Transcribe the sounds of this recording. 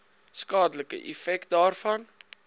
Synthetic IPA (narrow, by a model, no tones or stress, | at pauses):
skɑːdələkə̰ʔɛ̰fɛkt̚dɑːrfɐn